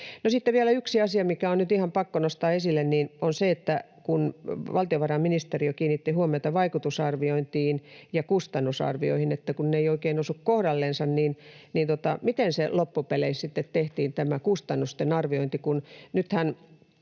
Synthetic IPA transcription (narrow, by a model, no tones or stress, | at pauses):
nosit̪ːeʋiælæyksiɑsiɑmikæonnyt̪ihɑmpɑkːonost̪ɑːesilːenniːnonseet̪ːæ | kunʋɑlt̪ioʋɑrɑmminist̪eriokiːnit̪ːihuomeɑt̪ɑʋɑikut̪usɑrʋioint̪iːnjɑkust̪ɑnːusɑ̰rʋio̰ihinet̪ːækunneioikeːnosukkohdɑlːensɑnniːnniːnt̪ot̪ɑmit̪enselopːupeleissit̪ːet̪t̪eht̪iːnt̪æmækust̪ɑnːust̪enɑrʋioint̪ikunnyt̪hæn